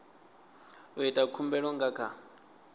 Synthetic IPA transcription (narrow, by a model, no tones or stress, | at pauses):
ɔitʼakʰumbɛɺɔŋɡakʰa